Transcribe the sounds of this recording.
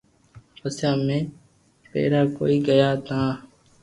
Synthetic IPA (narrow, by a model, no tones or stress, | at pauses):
pəsjãːmẽː | pḛːɾaːko̰ːiːɡəjaːt̪ãː